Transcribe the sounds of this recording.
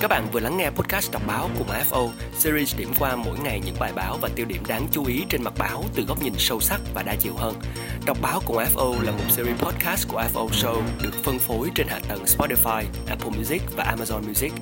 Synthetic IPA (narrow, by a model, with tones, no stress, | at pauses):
kaː˦˥k̚ɓa̰ː˧˨nvɨ˨˩əla˨˦ŋːɛ˧pɔ˦˥t̚kaː˦˥st̚ɗɔ˨˩wk͡p̚ɓaː˨˦wkʊ˨˩ŋ͡mʔaː˧ɛ˦˥pʔo˧ | si˧zi˧sɗḭ˧˩əmkwaː˧mo̰˧˥jŋa˨˩jɲɨ̰˧˥ŋɓaː˨˩jɓaː˨˦wvaː˨˩t̪i˧əwɗḭ˧˩əmɗaː˨˦ŋt͡ɕu˨˦ʔi˨˦t͡ɕe˧nma˨˩t̚ɓaː˨˦wt̪ɨ˨˩ɣɔ˦˥wk͡p̚ɲi˨˩ŋsə˧wsa˦˥k̚vaː˨˩ɗaː˧t͡ɕḭ˧˨əwɦəː˧n | ɗɔ˨˩wk͡p̚ɓaː˨˦wku˨˩ʔaː˧˦˥p̚ʔo˧laː˨˩mo˨˩t̚si˧ɾi˧pʰɔ˦˥t̚kaː˦˥st̚ku˧˩əʔɛ˦˥ʔə˧sə˧wɗɨ˨˩ək̚fə˧nfo˨˦jt͡ɕe˧nha̰ː˧˨t̪ə˨˩nspɔ˦˥ti˧faː˧jʔɛ˦˥pʰə˧mju˧zi˦˥k̚vaː˨˩ʔaː˧maː˧zɔ˧nmju˧zi˦˥k̚